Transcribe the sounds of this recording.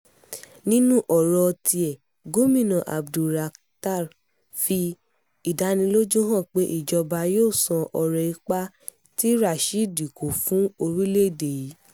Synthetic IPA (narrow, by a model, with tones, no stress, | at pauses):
nĩ˦nũ˦ʔɔ˨ɾɔ˧tʰi˧ɛ˨ | ɡo˦mĩ˦˨nã˨ʔa̰˨bdu˨ɾa˨ | ta˦˨ɾ | fi˧ | i˨da˧˦nĩ˧lo˦d͡ʒũ˦ɦã˦˨k͡pe˦ʔi˦˨d͡ʒɔ˧ba˧joː˦˨sã˧ʔɔ˨ɾɛ˨i˧˦k͡pa˦ | ti˦ɾa˦˨ʃi˦˨di˨kʰo˨fũ˦o˧ɾi˦le˦˨de˨ji˨˦